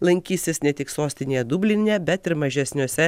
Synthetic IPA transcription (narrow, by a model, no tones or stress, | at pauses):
lˠɐŋʲkʲiːsʲɪsnʲɛt̪ʲɪksoːsʲt̪ʲɪnʲeːjɛd̪ubʲlʲɪnʲɛbʲɛt̪ɪɾmɐʒʲɛsʲnʲuɔsʲɛ